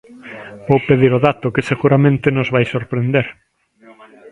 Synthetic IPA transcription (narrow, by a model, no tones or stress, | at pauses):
bowpeðiɾoðat̪ʊkɪseɣuɾamẽnt̪enozβajsoɾpɾend̪eɾ